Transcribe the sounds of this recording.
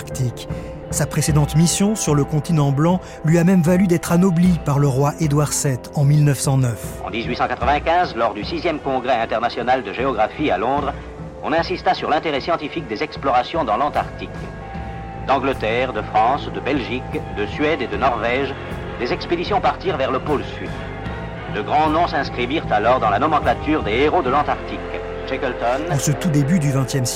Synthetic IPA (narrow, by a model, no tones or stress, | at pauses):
ʁkt̪ik | sapχesed̪ɑ̃t̪misjɔ̃syʁləkɔ̃t̪inɑ̃blɑ̃ | lɥiamɛmvalyd̪ɛt̪χanɔblipaʁləʁwaʔed̪waʁsɛt̪ɑ̃milnœfsɑ̃nœfɑ̰̃d̪izɥisɑ̃kat̪χəvɛ̃kʲɛ̃zlɔʁd̪ysizjɛmkɔ̃ɡʁɛɛ̃t̪ɛʁnasjɔnald̪əʒeɔɡʁafialɔ̃d̪ʁ | ɔ̃nɛ̃sist̪asyʁlɛ̃t̪eʁɛsjɑ̃t̪ifik̚d̪ezɛksplɔʁasjɔ̃d̪ɑ̃lɑ̃t̪aʁt̪ik | d̪ɑ̃ɡlət̪ɛʁd̪əfχɑ̃sd̪əbɛlʒikd̪əsɥɛd̪ed̪ənɔʁvɛʒ | d̪ezɛksped̪isjɔ̃paʁt̪iʁvɛʁləpolsyd̪ | d̪əɡʁɑ̃nɔ̃sɛ̃skχiviʁt̪alɔʁd̪ɑ̃lanɔmɑ̃klat̪yʁd̪eeʁod̪əlɑ̃t̪aʁt̪ik | ʒ̥ɛkɛlt̪ɔnuʁsət̪ud̪ebyd̪yvɛ̃t̪jɛms